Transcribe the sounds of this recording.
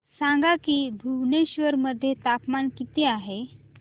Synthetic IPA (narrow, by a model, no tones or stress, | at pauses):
sãŋɡakiːbʱuʋneɕʋəɾməd̪ʱːjet̪apmankit̪eaɦe